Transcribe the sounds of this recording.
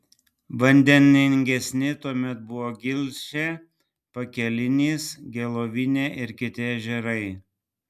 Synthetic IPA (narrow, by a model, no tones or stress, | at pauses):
ʋɐnʲd̪ʲɛnʲɪŋʲɡʲɛsʲnʲɪt̪uɔmʲɛt̪̚bʊʋoːɡʲɪlʲʃʲɛ | pɐkʲɛlʲɪnʲiːsɡʲɛlˠoːʋʲɪnʲeːʔɪɾkʲɪt̪ʲɪɐʒʲɛɾɐɪ